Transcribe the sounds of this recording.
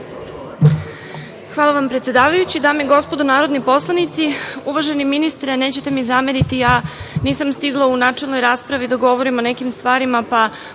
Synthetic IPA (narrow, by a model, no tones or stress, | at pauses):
xʋaːlˠaʋampɾet̪sjed̪aːʋajut͡ɕid̪aːmeiɡo̞spo̞d̪onaːɾo̞d̪nipo̞slˠanit̪siuʋaʒe̞niminist̪ɾene̞ːt͡ɕet̪e̞mizameɾit̪ijaniːsamst̪iɡlˠaunaːt͡ʂelno̞jɾaːspɾaʋid̪aɡo̞ʋoɾimonekimst̪ʋaːɾimapa